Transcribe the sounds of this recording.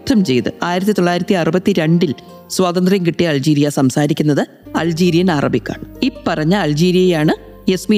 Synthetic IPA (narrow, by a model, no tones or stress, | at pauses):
t̪ʰːɐmt͡ɕe̞̰jt̪ɨ̰aːjiɾɐt̪ːit̪o̞ɭːaːjiɾɐt̪ːiɐrubɐt̪ːiɾe̞ɳɖil | swaːt̪ɐnd̪rɐjɐŋkiʈːijɐːld͡ʑiːɾijɐsɐmsaːɾikʲːunːɐðɨ | ɐ̰ld͡ʑiːɾijɐnaːrɐbikʲːa̰ːɳɨipːɐrɐɲːɐːld͡ʑiːɾijɐjaːɳɨ | e̞smi